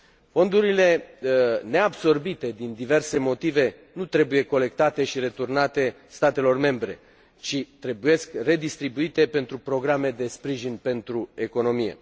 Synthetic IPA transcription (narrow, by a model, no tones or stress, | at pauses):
fo̞nd̪uɾile̞ | ne̞abso̞rbit̪e̞d̪ind̪ive̞rse̞mo̞t̪ive̞ | nut̪ɾe̞buje̞ko̞le̞k̚t̪at̪e̞ʃiɾe̞t̪urnat̪e̞ | st̪at̪e̞lo̞rme̞mbɾe̞̰ | t͡ʃit̪ɾe̞buje̞skre̞d̪ist̪ɾibuit̪e̞pe̞nt̪ɾupɾo̞ɡɾame̞d̪e̞spɾiʒinpe̞nt̪ɾue̞ko̞no̞mijḛ